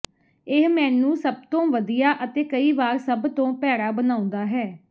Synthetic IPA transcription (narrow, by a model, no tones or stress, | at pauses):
ɪɦmɛ̃ːnũːsəb̚t̪õːʋəd̪ijaːʔət̪eːkəiːbaːɾsəbt̪õːpɛːɾaːbənaːʊ̃nd̪aːɦɛː